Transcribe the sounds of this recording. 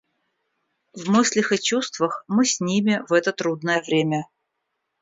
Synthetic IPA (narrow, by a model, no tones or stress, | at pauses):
vmɨsʲlʲɪxɨt͡ɕust̪vəxmɨsʲnʲimʲɪvɛt̪ət̪ɾud̪nəjəvɾʲemʲə